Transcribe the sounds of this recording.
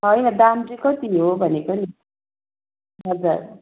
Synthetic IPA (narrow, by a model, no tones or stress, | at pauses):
ɦʌjnʌd̪amd͡zikot̪iniɦobʱʌnekoni | ɦʌd͡zuɾ